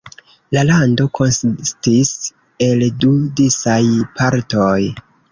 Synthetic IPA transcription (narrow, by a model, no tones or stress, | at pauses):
lalando̞kʰo̞nsstis | e̞ldudisajpʰaɾtoj